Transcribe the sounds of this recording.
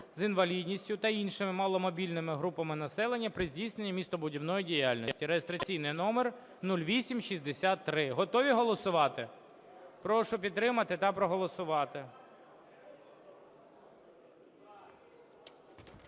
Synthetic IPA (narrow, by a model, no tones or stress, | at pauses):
zɪnʋɐlʲidʲnʲisʲtʲʊt̪ɐinʃɪmɪmɑlˠɔmɔbʲilʲnɪmɪɦɾupɐmɪnɐsɛlˠenʲːɐpɾɪzʲdʲijsnenʲːɐmʲist̪ɔbʊdʲiwnɔjidʲijalʲnʲɔsʲtʲiɾejest̪ɾɐt͡sʲijnɪjnɔmer | nulʲʋʲisʲimʃizʲd̪esʲat̪ːɾɪɦɔt̪ɔʋʲiɦɔlˠɔsʊʋɑt̪ɪ | pɾɔʃʊpʲid̪̚t̪ɾɪmɐt̪ɪt̪ɐpɾɔɦɔlˠɔsʊʋɑt̪ɪ